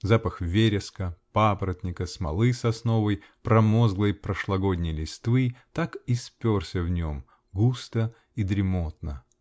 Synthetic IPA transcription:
zapəxvʲeɾʲɪskəpapɾət̪ʲnʲɪkəsmɐ̰lˠɨsɐsno̞vəj | pɾɐmozɡlˠəjpɾəʂlˠɐɡo̞dʲnʲɪjlʲɪst̪vɨt̪akispʲorsʲəvnʲom | ɡust̪ə | id̪ɾʲɪmot̪nə

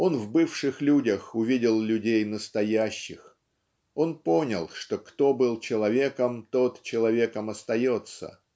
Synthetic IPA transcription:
o̞nvbɨfʂɨxlʲudʲəxʊvʲidʲɪlˠlʲʉdʲejnəst̪ɐjæɕːɪx | o̞npo̞nʲəlˠʂt̪o̞kt̪o̞bɨlˠt͡ɕɪlˠɐvʲe̞kəmt̪o̞t̪t͡ɕɪlˠɐvʲe̞kəmɐst̪ɐjo̞t̪sə̰

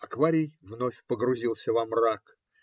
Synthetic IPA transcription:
ɐkvaɾʲɪjvnofʲpəɡɾʊzʲilˠsʲəvamrak

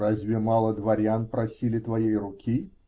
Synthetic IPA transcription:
azʲvʲɪmɑlˠəd̪vɐɾʲanpɾɐsʲilʲɪt̪vɐjejrʊkʲʰi

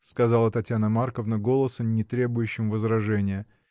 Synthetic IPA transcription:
skɐzɑlˠət̪ɐtʲjanəmarkəvnəɡo̞lˠəsəmnʲɪt̪ɾʲe̞bʊjʉɕːɪmvəzɾɐʐɛnʲɪjə

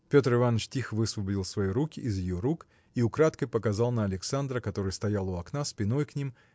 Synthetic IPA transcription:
pʲo̞t̪rɨvanːət͡ʃtʲixvɨsvˠəbədʲɪlˠsvɐjiɾukʲɪʔːzjɪjoɾuk | iʊkɾat̪kəjpəkɐzalˠnəɐlʲɪksand̪ɾəkɐt̪o̞ɾɨjst̪ɐjalˠʊɐknaspʲɪno̞jknʲim

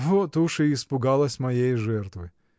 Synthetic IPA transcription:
ɦut̪uʃɪispʊɡɑlˠɐsʲmɐjejʒɛrt̪ʋɨ

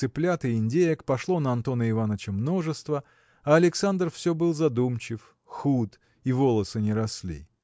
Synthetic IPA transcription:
sɨplʲat̪ɨɪnʲdʲejəkpɐʂlˠo̞nəɐnt̪o̞nəɪvanət͡ɕəmno̞ʐɨst̪və | ɐɐlʲɪksand̪rfsʲɵbɨlˠzɐd̪umt͡ɕɪf | xut̪ | ivolˠəsɨnʲɪɾɐslʲḭ

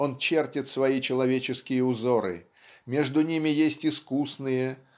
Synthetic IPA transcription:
o̞nt͡ɕertʲɪt̪svɐit͡ɕɪlˠɐvʲet͡ɕɪskʲɪjəʊzo̞ɾɨ̰ | mʲe̞ʐd̪ʊnʲimʲɪjesʲtʲɪskusnɨjə

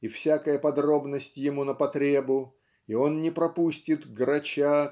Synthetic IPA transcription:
ifsʲakəjəpɐd̪ɾo̞bnəsʲtʲjɪmunəpɐt̪ɾʲebʊ | io̞nnʲɪpɾɐpusʲtʲɪt̪ɡɾɐt͡ɕa

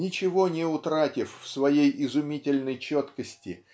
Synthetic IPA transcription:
nʲɪt͡ɕɪvo̞nʲɪʊt̪ɾatʲɪffsvɐjejɪzʊmʲitʲɪlʲnəjt͡ɕot̪kəsʲtʲɪ

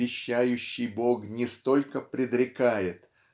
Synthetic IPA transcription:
ɪɕːæjʉɕːɪjbo̞knʲɪst̪o̞lʲkəpɾʲɪd̪ɾʲɪkajɪt̪

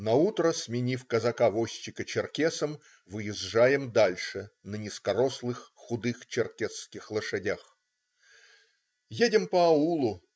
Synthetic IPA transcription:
nɐut̪ɾəsmʲɪnʲifkəzɐkavosʲːɪkət͡ɕɪrkʲesəm | vɨjɪzʐajɪmd̪alʲʂɨnənʲɪskɐɾoslˠɨxːʊd̪ɨxt͡ɕɪrkʲesːkʲɪxlˠəʂɨdʲax | jedʲɪmpəɐulˠʊ

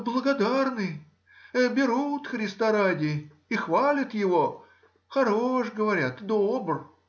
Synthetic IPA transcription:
blˠəɡɐd̪arnɨj | ɛbʲɪɾut̪xɾʲɪst̪aɾadʲɪ | ixvalʲɪt̪jɪvo | xɐɾoʂɡəvɐɾʲat̪d̪obr

